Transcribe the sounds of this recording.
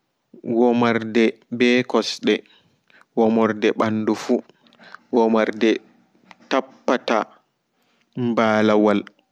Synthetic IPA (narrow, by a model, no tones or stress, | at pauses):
wɔmaɾdɛ | bɛkɔsɗɛ | wɔmɔɾdɛɓanːdufu | wɔmaɾdɛ | tapːata | mbaːlawal